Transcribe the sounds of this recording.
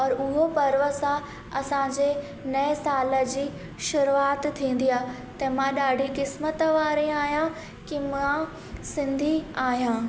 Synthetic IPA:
ɔːɾʊɦopɐɾʋə̆sã | ɐsãd͡ʑe | nɐɪsaːləd͡ʑiː | ʃʊɾuaːt̪t̪ʰːĩːn̆d̪iaː | t̪ɐmãɗaːɖʱikɪsmət̪əʋaːɾĩaːɦijã | kimã | sɪ̃nd̪ʱiaːɦijãː

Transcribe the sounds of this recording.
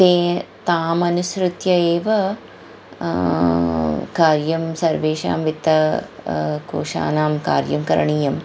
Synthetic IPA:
t̪eːt̪aːmɐnusɾut̪jɐeːʋɐ | kaːɾjɐmsɐɾʋeːʃa̰ːmʋit̪ːɐ | ko̰ːʃa̰ːnaːmka̰ːɾjɐmkɐɾɐ̰ɳiːjɐm

